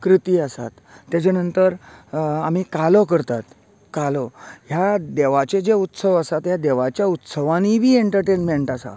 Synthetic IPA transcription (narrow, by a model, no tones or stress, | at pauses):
kɾit̪iːəsa̰t̪ːjat͡ɕanənt̪əɾam̤iːkalɔkəɾt̪at̪ | kalɔjad̪eʋat͡ɕed͡ʑeut̪səʋəsat̪jad̪eʋat͡ɕjaut̪səʋãnibʱiːeɳʈəɾʈenmeɳʈasa̰